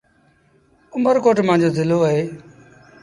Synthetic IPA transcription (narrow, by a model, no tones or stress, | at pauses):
ʊməɾkoːʈmãːd͡ʑoːzɪloːəɦeː